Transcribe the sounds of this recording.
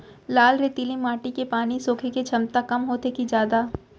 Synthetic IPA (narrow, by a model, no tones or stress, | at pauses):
laːlɾet̪ilimaːʈikepaːnisoːkʰeket͡ʃʰɐmt̪akɐmɦoːt̪ekid͡ʒjaːd̪aː